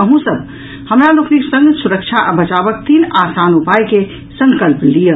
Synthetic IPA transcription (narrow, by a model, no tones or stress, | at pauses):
əɦũsəb̚ | həmɾalokʰniksə̃ŋɡsuɾəkt͡ʃʰaʔbət͡ʃabək̚t̪iːnasanupajke | səŋkəlplijə